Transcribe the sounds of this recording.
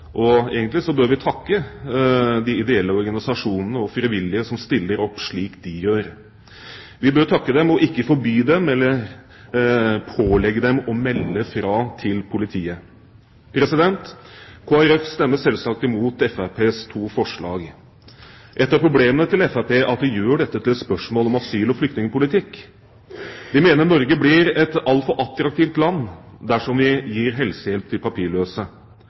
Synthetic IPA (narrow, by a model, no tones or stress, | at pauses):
ʔɔeːɡənlɪsɔbøːɾʋɪt̪ʰɑkːə | d̪ɪɪd̪ɛɛlːəɔɾɡɑnɪsɑʂuːnənəɔfɾɪʋɪlːɪəsɔmst̪ɪlːəɾɔpːʂɭiːkd̪ɪjøːɾ | ʋɪbøːɾt̪ʰɑkːəd̪ɛmɔʔɪkːəfɔɾbyːd̪ɛmɛlːəɾ | pʰoːlɛɡːəd̪ɛmɔmɛlːəfɾɑːt̪ʰɪlpʰʊlɪt̪ʰiːə | pʰɾɛsɪd̪ɛnt̪kʰoːæɾɛfst̪ɛmːəsɛlsɑk̚t̪ɪmuːt̪ɛfæpʰeːst̪ʰuːfɔʂɭɑ̰ːɡ | ʔɛt̪ːəɾpɾʊbleːmənət̪ʰɪlɛfæpeːʔɑt̪̚d̪ɪjøːɖɛt̪ːət̪ʰɪlɛt̪spœʂmoːlɔmɑsyːlɔflʏkt̪nɪŋəpʊlɪt̪ʰɪkː | d̪ɪmeːnəɾnɔɾɡəblɪɾɛt̪ɑlt̪fɔɾʔɑt̪ɾɑkt̪iːft̪lɑnːd̪æʂɔmʋɪjiːɾɦɛlsəjɛlp̚t̪ʰɪlpʰɑpʰiːɭøːsə